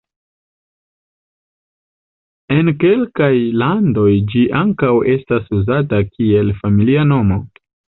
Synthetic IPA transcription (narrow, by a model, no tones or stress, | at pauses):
e̞nke̞lkajlando̞jd͡ʒiʔaŋkawe̞stasuzatakʰie̞lfamiliano̞mo̞